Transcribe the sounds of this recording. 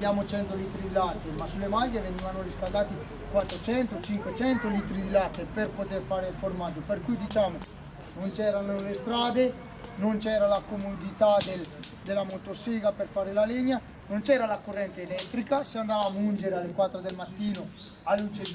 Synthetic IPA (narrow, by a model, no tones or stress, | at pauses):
bjaːmot͡ʃɛnt̪oliːt̪ɾid̪ilat̪ːemasːulːemaʎːeveniːvanoriskald̪aːt̪i | kwat̪ːɾot͡ʃɛnt̪ot͡ʃiŋkwet͡ʃɛnt̪oliːt̪ɾid̪ilat̪ːeperpot̪erfaːɾeilformad͡ʒːoperkujd̪it͡ʃaːmo | nont͡ʃɛːɾanolest̪ɾaːd̪e | nont͡ʃɛːɾalakomod̪it̪ad̪eld̪elːamot̪osiɡaperfaːɾelaliɲːa | nont͡ʃɛːɾalakorːɛnt̪eːlɛt̪ːɾikaseand̪aːvamund͡ʒeɾealːekwat̪ːɾod̪elmat̪ːiːno | alːut͡ʃe